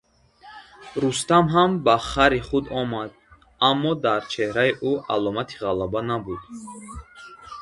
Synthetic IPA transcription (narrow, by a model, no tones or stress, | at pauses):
ɾust̪amɦambaχaɾiχud̪ɔmad̪̚ | amːɔd̪aɾt͡ʃʰe̞hɾaiʔuʔa̰lɔmat̪ʰi̥ʁalabanabud̪